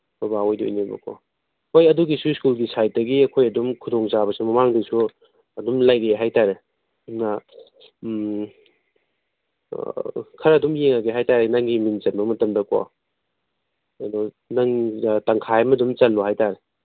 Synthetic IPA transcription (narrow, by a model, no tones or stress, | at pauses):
bɐbaojdo̰jnibɐ̰kʰo̰ | hojɐduɡisuskulɡisajt̚dɐɡiɐkʰojɐdumkʰudoŋzabɐsumɐmaŋdisu | ɐdumlajɾeeɦajtaɾe | dumna | kʰɐɾɐdumjeŋaɡeɦajtaɾenaŋɡimint͡ʃɐtmɐmɐtɐmdɐko̰ | ɐdɔ | naŋtɐŋkʰaamɐdumt͡ʃɐlːɔhajtaɾe